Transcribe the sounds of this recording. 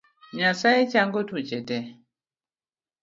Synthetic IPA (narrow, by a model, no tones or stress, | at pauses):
ɲasaɛt͡ʃaŋɡotʰut͡ʃɛtɛ